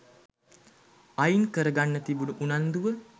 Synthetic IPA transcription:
ajinkəɾəɡanːət̪ibunuʔunand̪uʋə

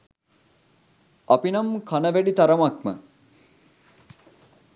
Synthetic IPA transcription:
ɐpinɐmkʰɐnɐʋæɖit̪ɐɾɐmak̚mə̰

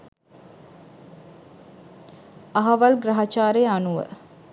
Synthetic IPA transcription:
aɦɐʋalɡɾaɦat͡ʃaːɾejanuʋə̰

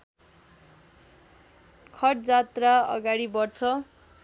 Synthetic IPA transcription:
kʰʌʈd͡zat̪raʌ̰ɡaɽibʌrt͡sʰʌ

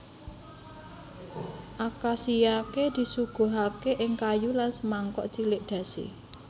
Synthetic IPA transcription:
ʔakasijaked̪̥i̤suɡ̥o̤ɦakeʔɪŋkajulansəmaŋkɔ̰ʔt͡ʃilɪʔd̪̥ä̤sḭ

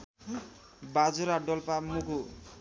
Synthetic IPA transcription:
bad͡zuɾaɖɔlpamuku

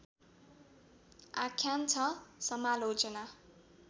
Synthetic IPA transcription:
akʰjant͡sʰʌsʌmalod͡zʌna

